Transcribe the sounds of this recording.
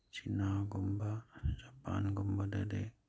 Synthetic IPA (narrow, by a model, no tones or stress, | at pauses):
t͡ʃinaɡɔmbad͡ʒapa̰nɡɔmbada̰de